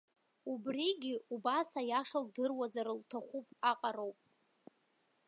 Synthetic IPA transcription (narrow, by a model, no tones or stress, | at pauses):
ubriɡʲɪubasajaʂaldɨrwazaɾɨltʰaχʷupʼaqʼaɾo̞wpʼ